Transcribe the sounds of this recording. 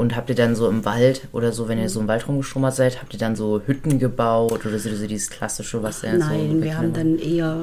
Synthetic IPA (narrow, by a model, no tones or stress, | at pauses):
ʔʊnthaːp̚tiːɐdanzoːɪmvaltʔo̰ːdɐzoːvɛniːɐzoːɪmvaltʁʊmɡəʃʊmɐtz̥aɪthaːp̚tiːɐdanzoːhʏtn̩ɡəbaʊtʔoːɾɐzoːzoːdiːzə̥skʰl̥asɪʃəvasd̥anzoːɪnvɐhamdanʔeːɐ